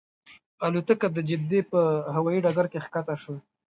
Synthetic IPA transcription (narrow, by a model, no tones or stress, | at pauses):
alut̪əkad̪əd͡ʒɪd̪epəɦawajiɖaɡaɾkexkat̪aʃə